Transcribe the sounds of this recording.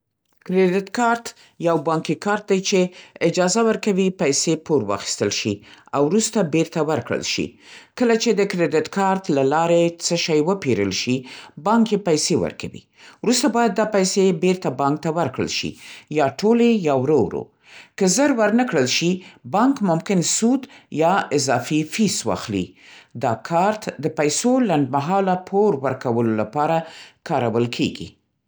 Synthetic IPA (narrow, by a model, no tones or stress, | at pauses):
kɾedɪt̪kɑɾt̪ | jawbɑŋkikɑɾt̪̚d̪ajt͡ʃeɪd͡ʒɑzawəɾkawipajsepoɾwɑ̰xi̥st̪əlʃḭawɾust̪abeɾt̪awəɾkɽə̰lʃḭkəlat͡ʃed̪əkɾed̪ɪt̪kʰɑɾt̪lalɑɾet͡səʃɑjwəpeɾə̰lʃibɑŋkjepajsewə̰ɾkʰawḭ | wɾust̪abɑjad̪̚ːɑpajsebeɾt̪abɑŋk̚t̪awəɾkɽə̰lʃḭjɑʈʰolejɑwɾowɾo̰ | kəzəɾwəɾnəkɽəlʃibɑŋkmʊmkɪnsud̪jɑɪzɑfifiswɑ̰xlḭd̪ɑkʰɑɾt̪d̪əpajsolaɳɖ̚maɦɑlapʰoɾwəɾkawəlolapɑɾakɑɾawəlkʰeɡḭ